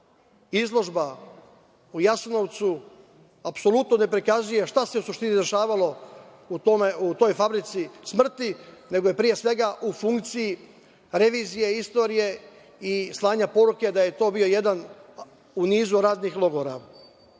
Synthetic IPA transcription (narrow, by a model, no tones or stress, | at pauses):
izlˠo̞ʒba | ujasno̞ʋt̪su | apso̞lut̪no̞ne̞pɾikazuje̞ʃt̪ase̞usuʃt̪inid̪e̞ʃaːʋalo̞ | ut̪omeut̪o̞jfabɾit̪sismr̩t̪ine̞ɡo̞je̞pɾije̞sʋe̞ɡaʔufuŋkt̪siji | ɾe̞ʋiːzijeist̪o̞ːɾije̞ | islˠaːɲapo̞ɾuke̞d̪aje̞t̪o̞ːbio̞je̞d̪an | uniːzuɾaːd̪nixlˠo̞ɡoɾa̰